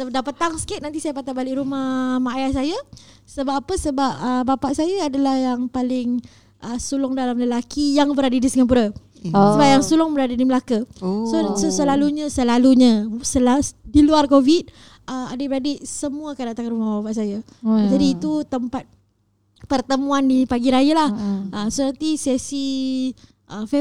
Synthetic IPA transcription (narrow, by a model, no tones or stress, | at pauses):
ədapət̪aŋskɪt̪̚nant̪isajapat̪abalɪʔrumahmaajahsaja | səbapːapəsəbap̚əbapaʔsajaːdalahjaŋpalɪŋ | ʔəsulʊŋdalamləlakijaŋbəɾadədisiŋapuɾa | səbap̚jaŋsulʊŋbəɾadədiməlakasososəlaluɲãsəlaluɲãsəladiluarkovit̪̚ | əmadəbəɾadɪʔsəmũəkadaʔt̪aŋɾumahbapaʔsaja | d͡ʒadiːt̪ut̪əmpat̪̚ | pərt̪əmũandipaɡiɾajalahʔəsonant̪isesi | ʔəf